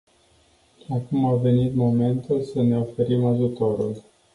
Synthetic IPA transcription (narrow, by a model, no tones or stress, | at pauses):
akumave̞nit̪mo̞me̞nt̪ulsəne̞o̞fe̞ɾimaʒut̪o̞ɾul